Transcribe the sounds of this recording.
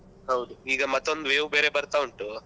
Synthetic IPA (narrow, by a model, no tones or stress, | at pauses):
ɦɐwd̪uiːɡɐmɐt̪ːo̞nd̪ʋeːwbeːɾebɐɾt̪auɳʈu